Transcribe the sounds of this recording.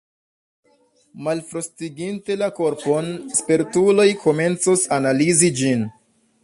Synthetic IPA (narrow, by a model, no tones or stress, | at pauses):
malfɾostiɡinte̞lako̞ɾpo̞nspeɾtulo̞jkʰo̞me̞nt͡sosanalizid͡ʒin